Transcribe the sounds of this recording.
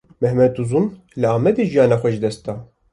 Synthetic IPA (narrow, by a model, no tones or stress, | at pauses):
mɛhmɛd̪uzun | lɨaːmɛd̪eʒijɑːnɑxʷɛʒd̪ɛst̪̚ɑː